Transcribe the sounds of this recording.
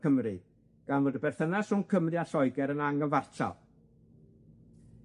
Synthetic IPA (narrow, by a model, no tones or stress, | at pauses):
əmrɨ | ɡ̥anvoːdəbɛrθənasunkʰəmrɨaɬɔjɡɛɾənaŋənvartʰa̰lˠ